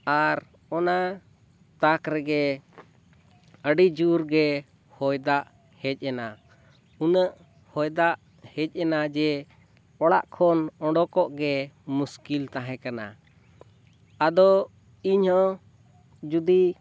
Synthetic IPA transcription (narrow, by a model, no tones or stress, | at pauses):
aɾ | ɔna | t̪akɾɛɡɛ | əɖid͡ʒuɾɡɛ | hɔjd̪aʔ | hɛc̚ˀɛna | unəʔ | hɔjd̪aʔ | hɛc̚ˀɛnad͡ʒɛ | ɔɽaʔkʰɔnɔ̃ɖɔkɔʔɡɛmuskilt̪aɦɛ̃kana̰ | ad̪ɔ | iɲhɔ | d͡ʒud̪i